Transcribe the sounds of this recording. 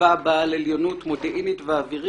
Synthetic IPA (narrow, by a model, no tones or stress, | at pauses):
abaleljonutmodeʔinitveaviʁi